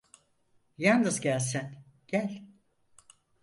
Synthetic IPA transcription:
jand̪ɯzɟælʲsæn | ɟ̥ælʲ

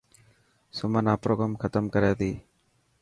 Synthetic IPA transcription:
sʊmɐnaːpɾoːɡamkʰɐt̪əmkɐɾaːd̪iː

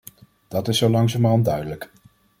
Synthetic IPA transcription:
d̥ɑtɪsːowlɑŋzaːməɔndœɥdələk

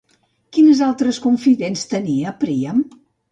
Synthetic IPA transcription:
kinəzalˠt̪ɾəskuɱfiðenst̪əniəpɾiəm

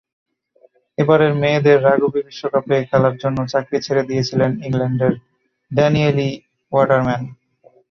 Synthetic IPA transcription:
ebaɾeɾmeːd̪eɾːaɡubibiʃːokapekʰɛlaɾd͡ʑonːot͡ɕakɾit͡ɕʰeɾed̪ijet͡ɕʰileniŋlɛɳɖeɾ | ɖɛnieli | waɾɖaɾmɛn

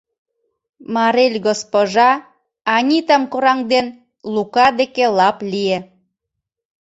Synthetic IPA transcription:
mɑɾelʲɡospoʒɑː | nʲit̪əmkoɾɑŋd̪en | lukɑd̪ekelɑplʲije

